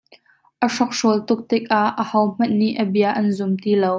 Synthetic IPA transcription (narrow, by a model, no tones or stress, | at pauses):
ʔəʂɔk̚ʂuəlt̪ʊk̚t̪ɪk̚ʔaʔːəhɐwm̥ɐnːiʔəbiɐʔɐnzʊmt̪iːlow